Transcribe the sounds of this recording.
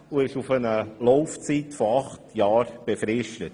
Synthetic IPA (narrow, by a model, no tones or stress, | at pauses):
uɪʃufənəlɔʊft͡siːtfɔɑχtjɑːɾb̥efɾɪʃtət